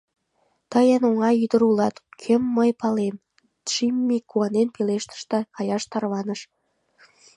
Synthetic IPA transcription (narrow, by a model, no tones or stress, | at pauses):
t̪əjənoŋɑjyd̪əɾulɑt̪kʰømːəjpɑlem | ʃimːikuɑnenpeleʃt̪ə̥̆ʃt̪ɑkɑjɑʃt̪ɑrβɑnəʃ